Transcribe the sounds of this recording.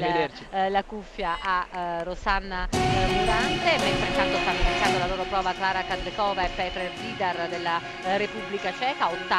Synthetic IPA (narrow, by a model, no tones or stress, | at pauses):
eet͡ʃilakufːjaʔarosanːamud̪ant̪ebɛnt̪ɾent̪and̪ofamiik̪and̪olaloːɾopɾɔːvaklaːɾakazekɔːvaɛpːɛːt̪ɾeliːd̪ard̪elːa | ɾepubːlikat͡ʃɛːkaot̪ːa